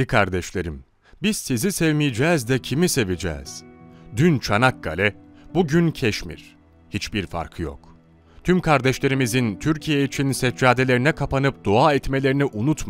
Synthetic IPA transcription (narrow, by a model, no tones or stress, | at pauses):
ikʰaɾd̪ɛʃlʲe̞ɾim | biz̥sizisɛvmijid͡ʒɛːzd̪ɛcʰimise̞vid͡ʒɛ̰ːz̥d̪ynt͡ʃʰanak̚ɡ̥a̰lʲɛbuɟyncʰɛʃmḭɾ̥ | hit͡ʃbiɾfa̰ɾkʰɯjo̰k | t̪ʰymkʰaɾd̪ɛʃlʲe̞ɾimizint̪ʰyɾcʰijeit͡ʃʰinsɛd͡ʒaːd̪e̞lʲe̞ɾinɛkʰapanɯp̚d̪̥oaːɛt̪me̞lʲe̞ɾiniʔunut̪m